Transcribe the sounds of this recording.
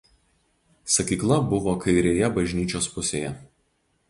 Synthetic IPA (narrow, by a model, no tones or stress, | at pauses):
sɐkʲiːklˠɐbʊʋoːkʰɐɪɾʲeːjɛbɐʒʲnʲiːt͡ʃʲoːspʊsʲeːjɛ